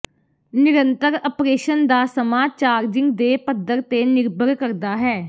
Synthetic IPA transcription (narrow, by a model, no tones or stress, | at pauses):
nɪɾənt̪əɾəpɾeːʃənd̪aːsəmaːt͡ʃaːɾd͡ʒɪ̃ŋɡd̪eːpəd̪əɾt̪eːnɪɾbʱəɾkəɾd̪aːɦɛː